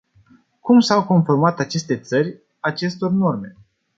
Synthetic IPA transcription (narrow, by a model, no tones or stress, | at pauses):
kumsawko̞nformat̪at͡ʃe̞st̪e̞t̪sərʲ | at͡ʃe̞st̪o̞rno̞rme̞̰